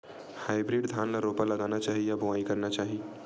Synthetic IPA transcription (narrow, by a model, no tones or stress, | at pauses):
haːɪbɾiɖd̪ʱaːnlaɾoːpaləɡaːnat͡ʃaːɦijabʊʋaːikəɾnat͡ʃaːɦi